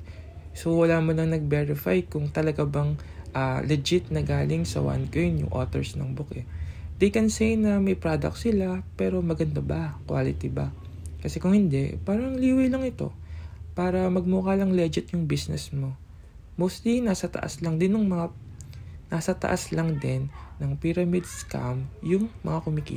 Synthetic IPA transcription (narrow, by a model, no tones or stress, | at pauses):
sowɐlaːmolɐŋnɐɡ̚bɛɹɪfa̰jkʊŋt̪ɐlɐɡabɐŋʔalɛd͡ʒɪt̪̚nɐɡaːlɪŋsɐ̰wa̰nkojnjʊ̰ŋʔo̰ːt̪ɛ̰ɹsnɐ̰ŋbʊkɛd̪ɛjkɛnsejnɐmɐjpɾad̪ɐ̰k̚sɪlapɛːɾo̞mɐɡɐnd̪abɐkwa̰ːlɪt̪ibɐ | kɐsɛkʊŋhɪnd̪ɛ̰paːɾɐŋliːwɐjlɐŋɪt̪o̞̰paːɾɐmɐɡ̚muːkaːlɐŋlɛd͡ʒɪt̪jʊŋbisnɛsmo̞ | most̪linasɐt̪ɐ̰ʔa̰slɐŋd̪ɪnʊŋmɐŋaː | asɐt̪ɐ̰ʔaslɐŋd̪ɪnːɐŋpiɾɐmid̪ska̰mjʊŋmɐŋakʊmɪkḭ